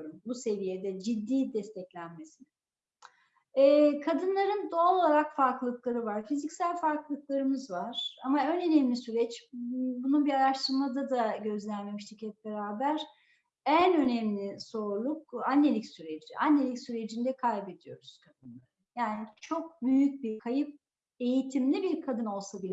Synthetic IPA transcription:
ɾumbuse̞vijed̪ɛd͡ʒid̪ːiːd̪ɛst̪ʰɛclʲænmesinɛ | ɛːkʰad̪ɯnlˠaɾɯnd̪oːlˠaɾakfaɾkllˠɯklˠaɾɯvaɾfizicsælʲfaɾklˠɯk̚lˠaɾɯmɯzvaɾ̥amaønø̞nɛmlʲisyɾɛt͡ʃbununbiaɾaʃt̪ʰɯɾmad̪ad̪aɟø̞zlʲænme̞miʃt̪ʰicɛp̚be̞ɾaːbæɾ | ænø̞nɛmlʲiso̞ɾlˠuk̚anːelʲicsyɾed͡ʒiʔanːe̞lʲicsyɾe̞d͡ʒind̪ɛkʰajbe̞d̪ijo̞̰ɾuz̥kʰad̪ɯnlˠaɾɯjaːnit͡ʃʰo̞k̚byjyc̚biɾkʰajɯp̚ | e̞jit̪ʰimlʲibiɾkʰad̪ɯno̞lˠsabilʲɛ

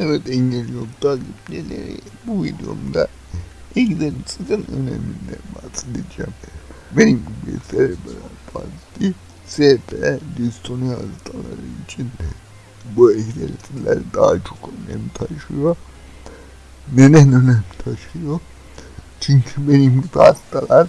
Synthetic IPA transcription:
evɛt̪ɛɲɟelʲijot̪aɡiblielʲḛɾḭbuvid̪eo̞̰md̪a | ekzelisʼɯkɯnø̰nḛmʲind̪ɛbat̪ʼɯd̪ed̪id͡ʒɛmbenimibɛ̰seɾɛbɛɾaba̰zit̪ːi | sɛɾt̪ʰɛɛd̪ist̪ʰoniazt̪ʰʼalˠa̰ɾɯit͡ʃʰin | buɛkzelit͡s̪ʼilæ̰ɾid̪ahat͡ʃʰo̞̥kønɛ̰mlʲit̪ʰaʃɯjo | ned̪ænø̞nɛmlʲit̪ʰaʃɯjo | t͡ʃʰyɲcʰybenimbazt̪ʰʼalˠaɾ

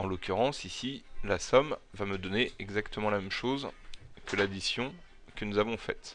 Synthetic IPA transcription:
ɑ̃lɔkʲyʁɑ̃sisilasɔmvaməd̪ɔneʔɛɡzakt̪əmɑ̃lamɛmʃozkəlad̪isjɔ̃ | kənuzavɔ̃fɛt̪

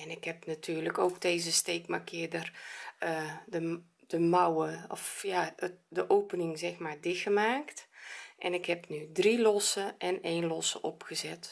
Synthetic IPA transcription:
ɛnɪkhɛpnatʰyːrləkoːkdeːzəsteːkmakʰɪədərədə | d̥əmawəɔfjaədəʔowpənɪŋzɛxmaːrdɪxəmaːktʔɛnɪkhɛpnydrilɔsəʔɛneːnlɔsə̰ʔɔpxəzɛt

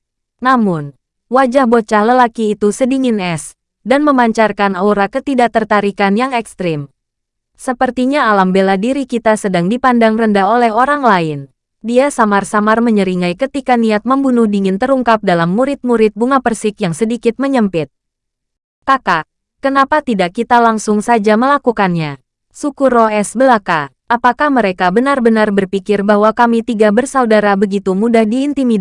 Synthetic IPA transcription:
namʊn | wad͡ʒahbot͡ʃahləlakiːt̪usədiŋɪnɛs | danməmaɲt͡ʃarkanauɾakət̪idat̪ərt̪aɾikanjaŋɛkst̪ɾɪm | səpərt̪iɲaːlambeladiɾikit̪asədaŋdipandaŋrəndaɦolɛɦoɾaŋlaɪn | diasamarsamarməɲəɾiŋajkət̪ikaniat̪̚məmbunʊhdiŋɪnt̪əɾuŋkap̚dalamːuɾɪt̪̚muɾɪt̪̚buŋapərsɪkjaŋsədikɪt̪̚məɲəmpɪt̪̚ | kaka | kənapat̪idakːit̪alaŋsʊŋsad͡ʒaməlakukanɲa | sukʊrɔɛsbəlaka | ʔapakahməɾekabənarbənarbərpikɪrbaɦwakamit̪iɡabərsaudaɾabəɡit̪umudahdiːnt̪imid

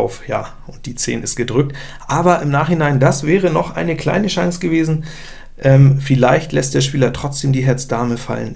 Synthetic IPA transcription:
ʊfja̰ː | ʔʊnt̚d̥iːt͡sḛːnɪstɡ̥ədʁʏk̚t | ʔaːbɐɪmnaːχhɪnaɪndasv̥ɛːʁənɔχʔa̰ɪnəkl̥a̰ɪnəʃãŋsɡ̥əveːzn̩ | ʔɛːmfɪlaɪçtlɛstd̥eːɐʃpiːlɐtʁ̥ɔt͡sd̥eːmdiːɦɛɐt͡sd̥aɐməfa̰lə̰n

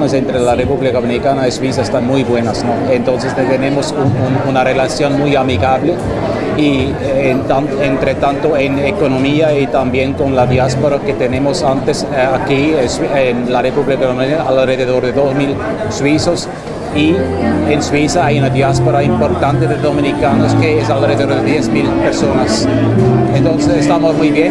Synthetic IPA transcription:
nesent̪ɾelarepuβlikamenikanaiswis̬aest̪anmujbwe̞nasnoent̪o̞ns̬est̪et̪enemosunununare̞lasjo̞nmujamiɣaβle | i | nt̪anent̪ɾet̪ant̪oenekonomiait̪ambje̞ŋko̞nlaðjaspoɾaket̪ene̞mosant̪esakisenlarepuβlikaðomeaalreðeðoɾðeðosmil | swisos | ienswisaajunaðjaspoɾaimpoɾt̪ant̪eðeðomĩnikanoskeesalreðeoɾðeðjesmilpeɾsonas | ent̪onsesest̪amosmujβjen

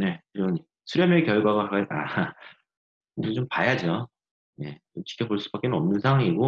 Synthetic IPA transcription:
ne̞kɯɾʌni | sʰuɾjʌmjʌkjʌɭɡwaɡaɦaɡaa̰ | t͡ɕompajad͡ʑo | ne̞̰t͡ɕomt͡ɕʰi̥kʰʌboɭs͈u̥bak͈e̞nɯnʌmnɯnsʰawaŋiɡo

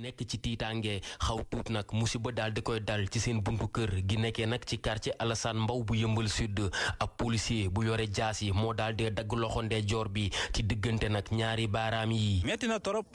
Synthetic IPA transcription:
nɛkːət͡ʃititaŋɡɛxɐwtuːtnɐkmusibɐdaldikɔjdɐlt͡ʃisenbuntukəɾɡinɛkːɛnɐk̚t͡ʃikaɾt͡ʃiʔɐlɐsanmbɐwbujəmbəlsydəɐpːolisiebujɔɾɛɟaːsimɔdaldɛdɐɡːəlɔxɔndɛɟɔːɾbicidəɡːəntɛnɐkɲaːɾibaɾamjimɛtinɐtɔɾɔp̚

